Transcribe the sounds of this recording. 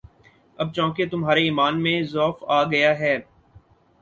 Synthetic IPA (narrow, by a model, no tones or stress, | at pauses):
ɐb̚t͡ʃɔ̃ːket̪ʊmɦaːɾeiːmaːnmẽzɔːfaːɡɐjaɦɛː